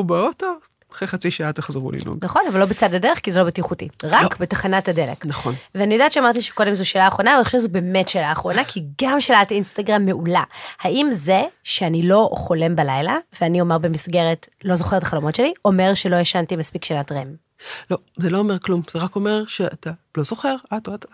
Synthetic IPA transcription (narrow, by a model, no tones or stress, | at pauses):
ubeoto | aχeχat͡siʃaat̪eχzeʁṵlḭnṵnnaχo̞navalo̞bet͡sadadeʁeχkizelo̞betiχutḭʁakbetaχanatadeleknaχonveanijodaːtt͡ʃeamaʁtiʃe̥ko̞de̞mzuʃeːlaːχʁo̞navaliχoʃeʃzube̞ːmetʃeːlaːχʁo̞nakʰiɡamʃelat̪iinstaɡʁamːe̞ʔulahaimzeʃeanilo̞χo̞le̞mbalajlaveanio̞meʁbemisɡe̞ʁetlo̞zo̞χeʁt̪ḁχalo̞motʃe̞liʔo̞me̞ʁʃelo̞jeʃantimaspikʃenatʁem | lo | zeloːmeʁklumz̥eʁako̞meʁʃeatalo̞zo̞χe̞ʁatoat